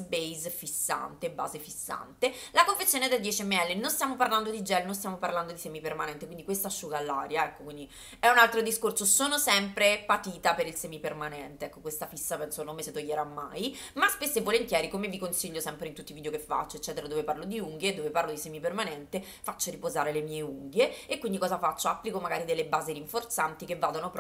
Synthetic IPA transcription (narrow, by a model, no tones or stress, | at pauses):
bejzfisːa̰nt̪eba̰ːzefisːa̰nt̪elakoɱfet̪sːjoːned̪eld̪jɛt͡ʃiɛmːeɛlːenonst̪jamoparland̪od̪id͡ʒɛlnõnst̪jamoparland̪od̪isɛːmipermanɛnt̪ekwind̪ikwest̪aʃːuːɡalːaːɾjaɛkːokwind̪i | ɛunalt̪ɾod̪iskorsosoːnosɛmpɾepat̪iːt̪apeɾilsɛːmipermanɛnt̪eɛkːokwest̪afisːapɛnsonomːeset̪ojːeɾamːa̰j | maspesːevːolent̪jɛːɾikomevikonsiʎːosɛmpɾeint̪ut̪ːivid̪jokefːa̰t͡ʃːoet͡ʃːɛːt̪eɾad̪oːveparlod̪iuŋɡjed̪oːveparlod̪isɛːmipermanɛnt̪e | fat͡ʃːoɾipozaːɾelemiːeuŋɡjeekːwind̪ikɔːzafat͡ʃːoapːlikomaɡaːɾid̪elːebaːziɾiɱfort̪sant̪ikevːaːd̪onopɾ